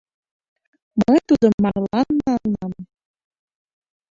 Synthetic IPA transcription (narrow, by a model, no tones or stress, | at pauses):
mət̪ud̪ɤ̆nmɑʁlˠɑnːɑɤnɑm